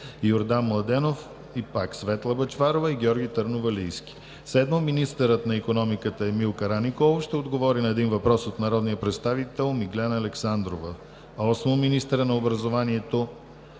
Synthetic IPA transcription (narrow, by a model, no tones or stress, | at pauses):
joɾd̪anmlˠɐd̪ɛnof | ipaksvɛt̪lˠəbət͡ʃvaɾovəiɡʲɔɾɡʲit̪əɾnovɐlijskʲi̥ | sɛd̪mominist̪əɾət̪nɐikonɔmikət̪əɛmilˠkəɾanikovʃt̪ɛod̪ɡovɔɾinɐɛd̪invɐpɾɔsot̪nɐɾɔd̪nijəpɾɛt̪st̪avit̪ɛlˠmiɡlʲɛnəːlɛksand̪ɾovə | ɔsmominist̪əɾənɐobɾɐzovaniɛt̪o